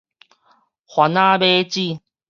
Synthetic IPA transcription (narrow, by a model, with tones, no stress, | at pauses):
xwa˨˦na˦be˦t͡ɕi˥˧˨